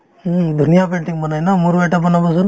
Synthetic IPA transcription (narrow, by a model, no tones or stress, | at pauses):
d̪ʱunijapeɳʈiŋbanajnamuɾbɛʈapanabɔs̬un